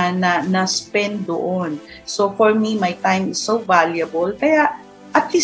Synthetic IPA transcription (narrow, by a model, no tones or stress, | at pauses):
nɐnɐspɛ̃nd̪d̪oʔonsofɔɹmimajt̪ãj̃mɪsːowvaljɐbəlkɐjaʔ | ʔɐt̪li